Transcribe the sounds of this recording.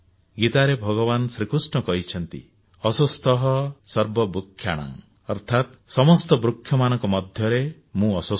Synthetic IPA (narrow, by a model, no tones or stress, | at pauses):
ɡit̪aɾebʱɔɡɔβanɔsɾikusɳɔkɔɦit͡ʃʰɔnt̪ḭ | ɔsust̪ɔɦɔsɔɾbɔbɾukʰːjaɽ̃a̰ŋ | ɔɾt̪ʰat̪̚sɔmɔst̪ɔbɾukʰːjɔmanɔŋkɔmɔd̪ʱjɔɾe | mũɔsu